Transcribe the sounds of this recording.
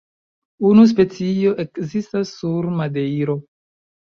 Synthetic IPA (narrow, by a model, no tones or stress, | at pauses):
unus̬pe̞t͡sio̞ʔe̞kzistasːuɾmadejɾo̞